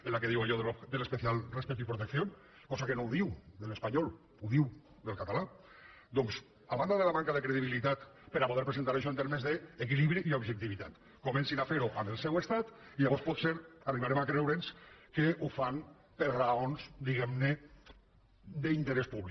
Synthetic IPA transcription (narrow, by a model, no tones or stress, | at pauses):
elakeðiwaʎɔðd̪elespeθialˠrespɛkt̪̬ipɾut̪ekθjon | kɔzakenowðiwd̪elespaɲɔlˠ | uðiw | d̪elˠkat̪ala | d̪ɔŋs | aβand̪aðelaβaŋkaðekɾeðiβilit̪at̪peɾapoð̞eɾpɾesent̪aɾejʃɔent̪eɾmezðeːk̬iliβɾiʔiobʒek̚t̪iβit̪at̪ | komensinafeɾuʔambelˠsɛwest̪at̪iðaβɔɾspɔt̪seɾariβaɾemakɾewɾenskeufan | peɾraonzd̪iɣɛmne | d̪eint̪eɾespuβli